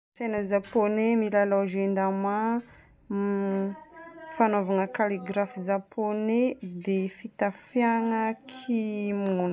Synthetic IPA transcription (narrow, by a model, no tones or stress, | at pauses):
senəzaponemilalaʒend̪ama | fanovaŋəkaliɡɾafizapʰoned̪efit̪afjaŋəkʰimun